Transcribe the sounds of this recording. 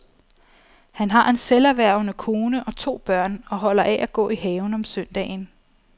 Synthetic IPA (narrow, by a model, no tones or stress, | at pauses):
hænɦɑ̈ʔe̝nselæʋæɐ̰ʊnəkʰo̝ːnəʔɒ̽t͡sʰo̝̰ːb̥ɶɐ̰nɒ̽ɦɒ̽l̰ɐʔɛʔæɡ̥ɔ̰̽ːiɦɛːʊn̩ɒ̽msœnd̥ɛ̰ːn